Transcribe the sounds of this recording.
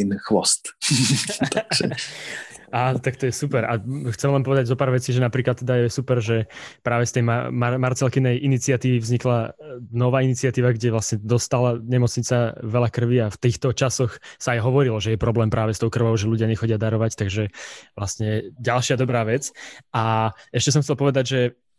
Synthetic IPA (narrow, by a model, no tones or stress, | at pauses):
nxʋɔst̪ | aːt̪akt̪ɔjɛsupɛɾaxt͡sɛmlɛnpɔʋɛd̪aɟzɔpaːɾʋɛt͡siʒɛnapɾiːklat̪ːɛd̪ajɛjɛsupɛɾʒɛpɾaːʋɛst̪ɛjmamamaɾt͡sɛlkinɛjʔinit͡sɪat̪iːʋivzɲiklanɔʋaːinit͡siɪat̪iːʋaɡɟɛʋlasɲɛd̪ɔst̪alaɲɛmɔt͡sɲit͡saʋɛlakr̩ʋiaft̪iːxt̪ɔt͡ʃasɔxsaːjɦɔʋɔɾilɔʒɛjɛpɾɔblɛːmpɾʔaːʋɛst̪ɔʊkr̩ʋɔʊʒɛluɟɪaɲɛxɔɟɪad̪aɾɔʋact̪aɡʒɛʋlasɲɛɛɟalʃɪad̪ɔbɾaːʋɛt͡sʔaɛʃcɛs̬ɔmxtt͡sɛlpɔʋɛd̪aɟʒɛ